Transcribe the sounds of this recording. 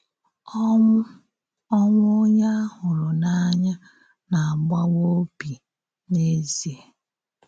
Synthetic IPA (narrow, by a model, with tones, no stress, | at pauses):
ɔ˦ŋʷ˦o˦ɲa˦hʊ˨lʊ˨na˦ɲa˦ | na˨a˨ɡ͡ba˦wo˦bi˨ | ne˦zi˨e˨